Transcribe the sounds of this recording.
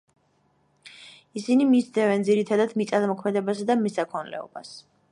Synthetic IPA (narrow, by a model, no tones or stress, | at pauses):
isinimid͡ʒd̪ɛvɛnd̪ziɾit̪ʰad̪ad̪mit̪sʼad̪mɔkʰmɛd̪ɛbasad̪amɛsakʰɔnlɛ̰ɔ̰b̥as